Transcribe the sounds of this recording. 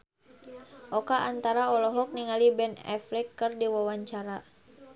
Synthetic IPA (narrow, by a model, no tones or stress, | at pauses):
ʔɔkaʔant̪aɾaɔlɔɦɔk̚niŋalibɛnɛ̰flɛkːɨrdiwawaɲt͡ʃaɾa